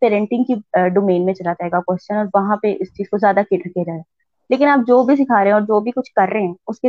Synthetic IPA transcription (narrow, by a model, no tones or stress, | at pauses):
peːɾɛ̃ɳʈɪ̃ŋɡkiɖoːmeːnmẽt͡ʃɐlad͡ʒaɦɛːɡakɛst͡ʃənɔːɾʋɐɦãpeʔɪst͡ʃiːz̥kozjaːd̪akɪʈəɾkiad͡ʒaːeɡa | leːkɪnaːp̚d͡ʒoːbʱis̬ɪkʰaːɾeɦɛ̃ɔːɾd͡ʒoːbʱikʊt͡ʃʰkɐɾːeɦɛ̃ːʊske